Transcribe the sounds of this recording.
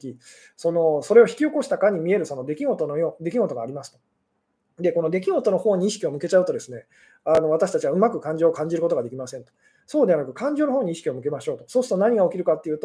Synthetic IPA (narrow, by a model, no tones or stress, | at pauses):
kʲi | so̞no̞so̞ɾe̞o̞çi̥kʲio̞ko̞ɕi̥t̪akaɲ̟imʲie̞ɾɯ̟so̞no̞d̪ekʲiɡo̞t̪onojoːd̪e̞kʲiɡo̞t̪o̞ɡaːɾʲimasɨ̥t̪o̞̥ | d̪e̞kono̞d̪e̞kʲiɡo̞t̪o̞no̞ho̞ːɲ̟iːɕi̥kʲio̞mɯ̟ke̞t͡ɕaɯ̟t̪o̞d̪e̞sɨne̞ | ano̞β̞at̪aɕi̥t̪at͡ɕiβaɯ̟makɯ̟kãɲ̟d͡ʑo̞ːkãɲ̟d͡ʑiɾɯ̟kot̪oɡad̪e̞kʲimasẽ̞nt̪o | so̞ːd̪e̞βanakɯ̟kãɲ̟d͡ʑo̞ːnoɦo̞ːɲ̟iɕi̥kʲio̞mɯ̟k̬e̞maɕo̞ːt̪o̞so̞ːsɨ̥t̪o̞naɲ̟iɡao̞kʲiɾɯ̟kat̪ːe̞iɯːt̪o